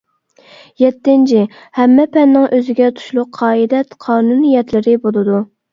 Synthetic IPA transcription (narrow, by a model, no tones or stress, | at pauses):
jɛt̪ːɪnt͡ʃʰi | hɛmːɛpʰɛnːɪŋʔøzɪɡʲɛt̪ʰu̥ʃlˠʊqʰːɑːid̪ɛt̪qʰɑːnunijɛt̪lɪɾɪbolˠɨd̪u